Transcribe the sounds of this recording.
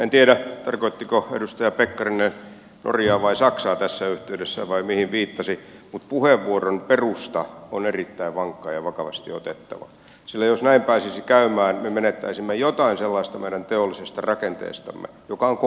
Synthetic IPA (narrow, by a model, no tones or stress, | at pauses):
ent̪ieɾæt̪ɑrkoit̪ːikoḛdust̪ɑjɑpekːɑrine | nʔo̰rjɑːʋɑisɑksɑːt̪æsːæyht̪eydesːæʋɑimihiʋʋiːt̪ːɑsimut̪puheʋːuoronperust̪ɑonerit̪ːæiʋʋɑŋkːˑɑːjɑʋɑkɑʋɑ̰st̪ḭot̪et̪ːɑ̰ʋɑ̰ | silːæjosnæimpæːsisikæymæːnmemenet̪ːæ̰isimːejot̪ɑinselːɑist̪ɑmeiɾænt̪eolːisest̪ɑrɑkent̪ḛːst̪ɑ̰mːḛjokɑoŋk